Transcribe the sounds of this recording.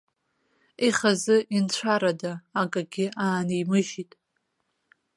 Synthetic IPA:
iχazɨint͡ɕʷʰaɾadaːkʼaɡʲɪaːnijmɨʒitʼ

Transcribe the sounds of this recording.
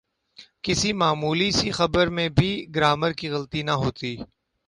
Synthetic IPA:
kɪsimaːmuːlisixɐbəɾmẽbʱiɡɾaːməɾkiɣɐlt̪inɐɦoːt̪iː

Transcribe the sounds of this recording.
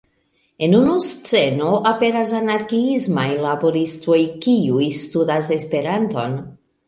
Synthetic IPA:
e̞nunust͡se̞no̞ʔape̞ɾas̬anaɾkiizmajlabo̞ɾisto̞jkiujstudase̞spe̞ɾanto̞n

